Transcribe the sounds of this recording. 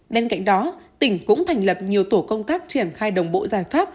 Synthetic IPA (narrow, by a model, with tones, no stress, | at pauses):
ɓe˧nka̰˧˨jŋ̟ɗɔ˨˦t̪ï˧˩ŋ̟kʊ̰˧˥ŋ͡mt̪ʰa˨˩jŋ̟lə˨˩p̚ɲi˨˩əwt̪o˧˩kə˧wŋ͡mt̪aː˦˥k̚t͡ɕi˧˩ənxaː˧jɗə˨˩wŋ͡mɓo̰˧˨zaː˨˩jfaː˦˥p̚